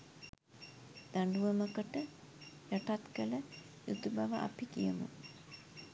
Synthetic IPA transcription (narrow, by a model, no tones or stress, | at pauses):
d̪̥aɳɖuʋəməkəʈə | jaʈat̪kələ | jut̪ubaʋaʔa̰pikijəmṵ